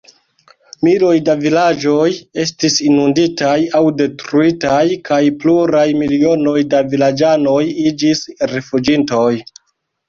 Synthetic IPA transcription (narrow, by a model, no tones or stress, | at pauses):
milo̞jdavilad͡ʒo̞je̞stisinunditajawde̞tɾuitajkajpluɾajmilio̞no̞jdavilad͡ʒano̞jid͡ʒisɾefud͡ʒinto̞j